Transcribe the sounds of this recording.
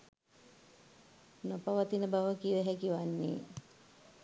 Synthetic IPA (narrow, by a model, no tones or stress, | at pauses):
nopaʋat̪inəbaʋəkiʋæɦækiʋanːḛː